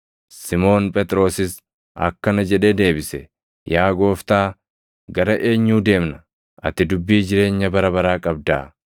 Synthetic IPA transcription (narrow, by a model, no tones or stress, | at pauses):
sɪmo̞ːnpʼɛt̪ʼɾo̞ːsɪs | ɐ̰kːɐnɐd͡ʒɛᶑe̞ːd̪e̞ːbɪsɛ | jaːɡo̞ːft̪aː | ɡɐɾɐʔe̞ːɲːuːd̪e̞ːmnɐ | ɐt̪ːɪd̪ʊbːiːd͡ʒɪɾe̞ːɲːɐbɐɾɐbɐɾaːkʼɐb̚d̪a̰ː